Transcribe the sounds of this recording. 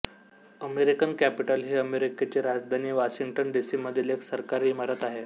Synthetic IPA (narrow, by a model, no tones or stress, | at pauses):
əmeɾikənkæpiʈəlɦiːəmeɾiket͡ɕeɾad͡zd̪ʱaniːʋaɕiŋɡʈənɖisiməd̪ʱːileksəɾkaɾiːmaɾət̪aɦe